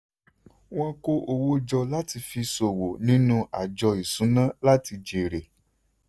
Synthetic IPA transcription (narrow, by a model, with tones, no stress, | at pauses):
w̃ɔ̃˦ko˦ʔo˧wo˦d͡ʒɔ˧la˦ti˧fi˧so˨wo˨nĩ˦nũ˦a˨d͡ʒɔ˧i˨sũ˨˦nã˦la˦ti˧d͡ʒe˨ɾe˨